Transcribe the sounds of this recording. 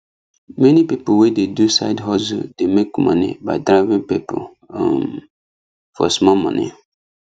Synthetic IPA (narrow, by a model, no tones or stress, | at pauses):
mɛ̃nĩpipowededusa̰ɪdɦɔzʊ̰demekːmã̰nɪ̰̃badɾaɪvɪ̃ŋpipʰʊ̰̃ | m | fɔ̰smɔ̃mɔ̰̃nɪ̰̃